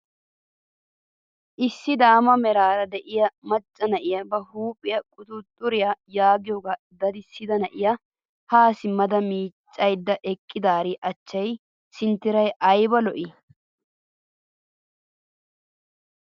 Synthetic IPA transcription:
ʔɪsːɪd̪aːmɐmɛɾaːɾɐd̪ɛʔɪjɐmɐt͡ʃʼːɐnɐʔɪjɐbɐhuːpʼɪjɐkʼʊt̪ʊt̪ʼːʊɾɪjajaːɡɪjoːɡa | d̪ɐd̪ɪsːɪd̪ɐnɐʔɪjɐ | haːsɪmːɐd̪ɐmiːt͡ʃʼːɐjd̪ːɐʔɛkʼːɪd̪aːɾɪʔɐt͡ʃːɐj | sɪnt̪ːɪɾɐjʔɐjbɐlɔʔɪ

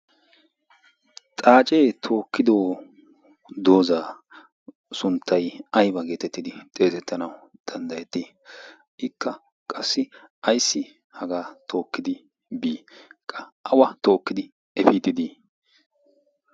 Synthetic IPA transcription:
t̪ʼaːt͡ʃʼeːt̪ʰo̞ːkːɪd̪oː | d̪o̞ːzaː | sʊnt̪ʰːɐjɐjbɐɡe̞ːt̪ɛt̪ːɪd̪ɪt̪ʼe̞ːsɛt̪ʰːɐnɐwʊd̪̥ɐnd̪ɐjɛt̪ːi | ʔɪkʰːɐ | kʼɐsːɪʔɐjsːɪ | hɐɡaːt̪ʰo̞ːkːɪd̪ɪ | biːkʼːɐʔɐwɐt̪o̞ːkːɪd̪ɪ | ɛfiːt̪ːɪd̪i

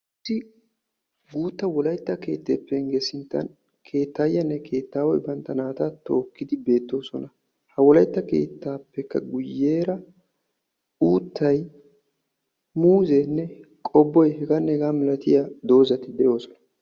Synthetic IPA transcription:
ʔɪsːɪ | ɡuːt̪ːɐwɔlɐjt̪ːɐke̞̰ːt̪ːeːpːɛŋɡesɪnt̪ːɐ̰n | kʰe̞ːt̪ːaːjːɐnːɛkʰe̞ːt̪ːaːwɔ̰jbɐnt̪ːɐnaːt̪ɐt̪oːkːɪd̪ɪbe̞ːt̪ːo̞ːsɔnɐ | hɐwɔlɐjt̪ːɐke̞̰ːt̪ːaːpːɛkːɐ̰ɡʊjːeːɾɐ | uːt̪ːɐj | muːzenːɛ | kʼɔbːɔjhɛɡanːɛɛɡaːmɪlɐt̪ɪjad̪o̞ːzɐt̪ɪd̪ɛjo̞ːsɔ̥nɐ

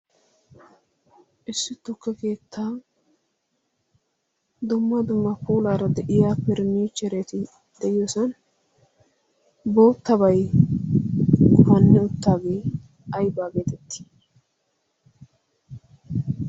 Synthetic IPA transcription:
ʔɪsːɪt̪ːʊkːɛke̞ːt̪ʰːaː | d̪ʊmːɐd̪ʊmːɐpuːlaːɾɐd̪ɛʔɪjaːpːɛɾniːt͡ʃɛɾeːt̪ɪ | d̪̥ɛjɪjoːsɐn | bo̞ːt̪ːɐbɐj | kʊmɐnːɪʊt̪ːaːɡe̞ː | ɐjbaːɡeːt̪ɛt̪ːɪ̥

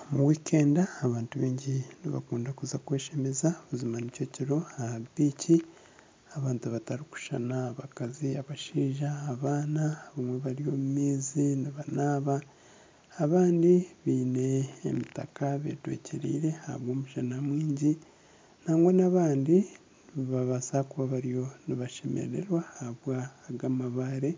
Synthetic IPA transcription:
muwiːkʰe̞ːndaːβaːntuβiːɲɟiniβa̰kuːndakuzakwe̞ːʃe̞me̞zaβuzimanico̞ciɾo̞ahabiːci | aβaːntuβataɾiku̥ʃa̰naːβakaziaβaʃiːʒaːβaːnaːβamwe̞βaɾio̞mumiːziniβanaːβaː | βaːndiβiːne̞̰ːmitakaβe̞̰twḛcʰeɾḭːɾe̞haha̰βwo̞ːmuʃanamwiːɲɟi | n̥aːŋɡwonaβaːndi | βaβasakuβaβaɾijo̞niβaʃe̞mḛɾe̞̰ɾwahahaβwaːɡamaβaɾe̞

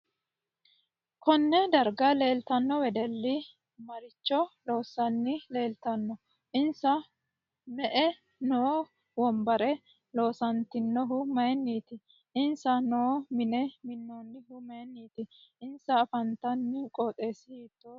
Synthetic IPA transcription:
kɔnːɛd̪ɐɾɡɐle̞ːlt̪ɐnːɔwɛd̪ɛlːɪ | mɐɾɪt͡ʃːɔlo̞ːsːɐnːɪle̞ːlt̪ɐnːɔ | ʔɪnsɐ | mɛʔɛ | no | wɔmbɐɾɛ | lo̞ːsɐnt̪ɪnːɔɦʊmɐjɛnːiːt̪ɪ | ɪnsɐnɔːmɪnɛmɪnːonːɪɦʊmɐjɛnːiːt̪ɪɪnsɐːfɐnt̪ɐnːɪkʼoːt̪ʼe̞ːsɪhiːt̪ːoː

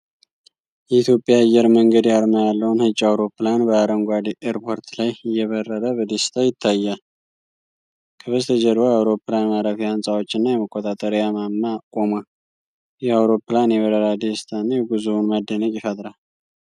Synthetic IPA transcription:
jɛit̪ʰjo̞pʼjaːjːɛɾməŋɡəd̪jaɾmajalːəwunhɨt͡ʃʼːawɾo̞pːlanbəːɾəŋɡʷad̪iʔeɾpʰo̞ɾt̪lajɨjːɛβərːəɾəbəd̪est̪ʰajɪt̪ʰːajːal | kʰəβəzt̪ʰəd͡ʒɛɾojawɾo̞pːlamaɾafijansʼawo̞t͡ʃːɪnːajɛməkʼːot̪ʼat̪ʼəɾjamamːakʼo̞mə | jɛawɾo̞pːlanjɛβəɾəɾad̪est̪ʰanːaɡuzunmad̪ːənəkʼɪfət̪ʼɾal

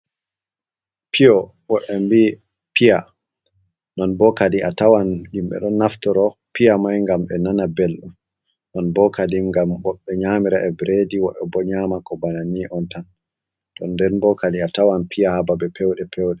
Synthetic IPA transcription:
pʰiɔ | wɔʔɛmbiː | pʰija | nɔnbɔkadiʔatawanhimɓɛ̰ɗɔnːaftɔɾɔpijamajŋɡamɓɛnanabelɗum | nɔnbɔkadimŋɡamɓɔɓːɛɲamiɾaʔɛbɾediwɔʔɛ̰bɔɲamakɔbananiʔɔntan | ɗɔnːdɛnbɔkadiatawanpʰijahababɛpʰɛwɗɛpʰɛwɗɛ

